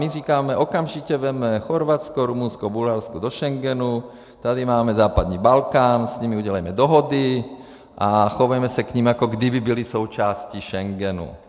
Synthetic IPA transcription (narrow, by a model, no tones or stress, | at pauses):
miriːkamɛʔɔkamʒicɛʋɛmɛxɔɾʋat͡skɔɾumunskɔbulɦaɾskud̪ɔʃɛŋɡɛnu | t̪ad̪imaːmɛzaːpad̪niːbalkaːnsɲimiuɟɛlajmɛd̪ɔɦɔd̪i | ʔaxɔʋajmɛsakɲimakɔɡd̪ibibilisɔʊt͡ʃaːsciʃɛŋɡɛnṵ